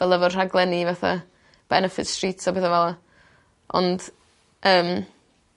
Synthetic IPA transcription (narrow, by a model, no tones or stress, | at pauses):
vɛlˠəvɔrr̥aɡlˠɛnivaθa̰ | b̥ɛnəfɪ̰tstriːtʰsɔbeðavɛlˠa | ɔ̰nd̥ | ʔəːm